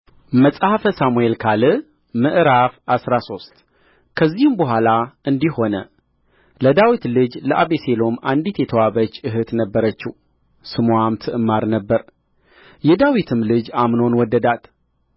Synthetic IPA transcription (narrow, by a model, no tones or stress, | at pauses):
məsʼhəfəsamue̞lkʰalɨ | mɨʔɾafasɾaso̞st̪ | kʰəzːihɨmbəɦʷalaɨnd̪iho̞nə | ləd̪awit̪lɨd͡ʒləʔaβeselo̞mand̪it̪jɛt̪ʰəwaβət͡ʃːɨɦɨt̪nəbːəɾət͡ʃːɪ | sɨmwamt̪ʰɨʔɨmaɾnəbːəɾ | jɛd̪awit̪ʰɨmlɨd͡ʒamno̞nwɔd̪ːəd̪at̪